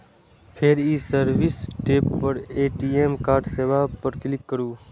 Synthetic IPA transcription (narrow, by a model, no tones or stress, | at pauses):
pʰeɾiːsəɾʋɪsʈeːpːəɾeːʈiːeːmkaːɾɖseːʋaːpəɾklɪkːəɾuː